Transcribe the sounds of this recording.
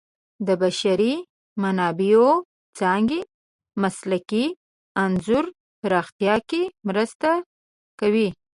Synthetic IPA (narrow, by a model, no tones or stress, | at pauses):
d̪əbaʃaɾi | manɑbio | t͡sɑŋɡi | maslaki | anzuɾ | pɾɑxt̪ijɑkemɾəst̪a | kawi